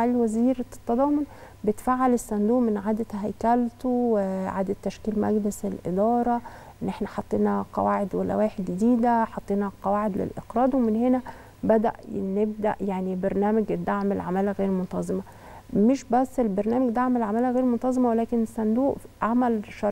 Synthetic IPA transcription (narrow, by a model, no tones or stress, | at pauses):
aliwæziːɾt̪ːɑd̪ˤɑːmon | bet̪faːʕalesːænd̪uːʔmenʕaːd̪æhæjkælt̪oweʕa̰ːd̪æt̪ːæʃkiːlmæ̰ɡleselʔḛd̪ɑːɾˤɑ | ʔʔenːʔeħnæħɑt̪ˤːeːnɑqɑ̰waːʕed̪wælːæ̰wæːħed̪ɡd̪iːd̪æħɑt̪ˤːeːnɑqɑwaːʕed̪lḛlʔeqɾˤɑːd̪wemenhenæ | bæd̪æ̰ʔneb̚d̪æ̰ʔjaʕnibeɾˤnæːmæɡ̪ːaʕmelʕamælæɣeːɾmont̪ɑzˤemæ | meʃbæsːelbeɾˤnæːmæɡd̪aʕmælʕamæːlæɣeːɾmont̪ɑzˤemæwelæːkenesːænd̪uːʔʕamælʃɑɾˤ